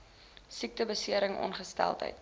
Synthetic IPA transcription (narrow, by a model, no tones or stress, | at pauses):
sik̚təbəsiəɾəŋʔɔ̰nχəstæ̰lˠtə̰jt